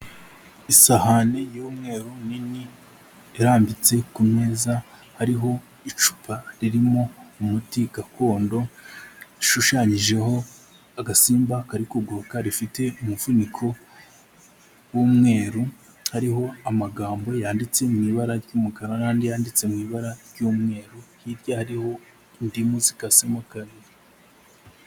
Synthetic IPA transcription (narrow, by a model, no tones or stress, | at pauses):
isahanejoːmŋe̞ːɾunini | eɾaːmbit͡se̞kume̞zahaɾiɦo̞ | it͡ʃu̥paɾiɾimo̞umutiɡako̞ːndo̞ | iʃuʃaɲiʒe̞ɦo̞ | aɡasiːmbakaɾikuɡokaɾifite̞umuvunikʰo̞ | wuːmŋe̞ːɾu | haɾiɦo̞amaɡaːmbo̞jaːndit͡se̞mŋiβaɾaɾɟuːmukaɾanaːndijaːndit͡se̞mŋiβaɾaɾɟuːmŋe̞ːɾuhiɾjahaɾiho̞ | indimuzi̥kasemakaɾi